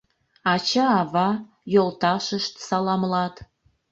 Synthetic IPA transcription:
ɑt͡ɕɑɑβɑ | jolt̪ɑʃəʃt̪sɑlɑmlɑt̪

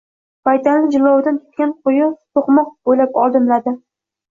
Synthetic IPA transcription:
bajt̪ʰanlɪd͡ʒɪlˠːɒwd̪ank̪ʰʲʊ̥t̪̚kʲanqʰʊjɪt̪ʰoqmɒq̚b̥ojlapɒlˠd̪ɪmlad̪ɪ

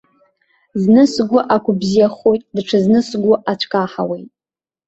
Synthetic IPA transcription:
znɨsɡʷʊʔakʷʰʊbzijaχojtʼdʈ͡ʂʰɨznɨsɡʷʊʔat͡ɕʷʰkʼaħa̰we̞jtʼ

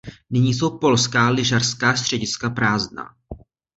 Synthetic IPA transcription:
nɪɲiːs̬o̞wpo̞lskaːlɪʒarskaːst̪r̝̥ɛɟɪskapɾaːzdna̰ː

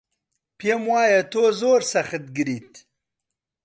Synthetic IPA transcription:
pjemwaːjɐt̪oːzoːɾsɐxɨt̪̚ɡɨɾiːt̪

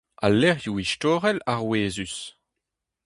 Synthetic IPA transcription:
a̰lːɛʁjuiʃtoːʁɛlaʁweːzys

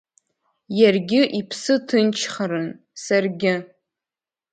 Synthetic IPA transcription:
jarɡʲɪʔipʰsɨtʰɨnt͡ʃʰχaɾɨn | sarɡʲɪ

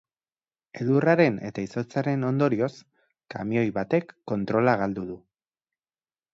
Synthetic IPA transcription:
e̞ðuraɾe̞ne̞t̪aiso̞t͡saɾe̞no̞nd̪o̞ɾio̞s | ka̰mio̞jβat̪e̞kːo̞nt̪ɾo̞laɣ̞ald̪uðu

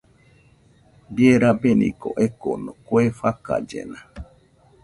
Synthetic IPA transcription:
djeɾabenḭkoʔekonokwefaka̰d͡ʒḛnã

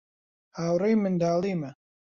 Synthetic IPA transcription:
haːwrejmɨnd̪aːlimɐ

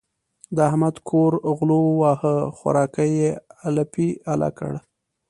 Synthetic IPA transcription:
d̪əahmad̪kʰoɾɣlowɑhəxwa̰ɾɑkəjealapiala̰kə̰ɽ

